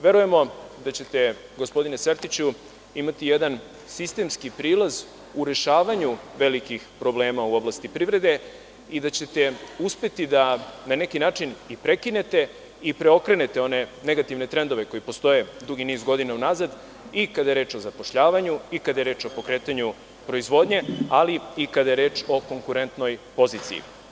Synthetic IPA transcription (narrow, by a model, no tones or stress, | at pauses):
ʋe̞ɾuje̞mo̞d̪at͡ɕe̞t̪e̞ | ɡospo̞d̪ineseɾt̪it͡ɕu | imat̪ijed̪an | sist̪e̞mskipɾiːlaz | uɾe̞ʃaːʋaɲuʋe̞likixpɾo̞bleːmauo̞blˠast̪ipɾiʋɾe̞d̪e̞ | id̪at͡ɕe̞t̪e̞uspe̞t̪id̪anane̞kinaːt͡ʃinipɾe̞kine̞t̪e̞ | ipɾeo̞kɾe̞ne̞t̪e̞o̞ne̞ne̞ɡat̪iʋne̞t̪ɾe̞nd̪o̞ʋe̞ko̞jipo̞st̪o̞je̞d̪uɡiniːzɡo̞d̪inaunazad̪ | ikad̪ajeɾe̞ːt͡ʃo̞zapo̞ʃʎaːʋaɲuikad̪ajeɾe̞ːt͡ʃo̞po̞kɾeːt̪aɲu | pɾo̞izʋo̞d̪ɲe̞aliikad̪aje̞ɾe̞ːt͡ʃo̞ko̞ŋkuɾe̞nt̪no̞jpo̞ziːt̪sḭjḭ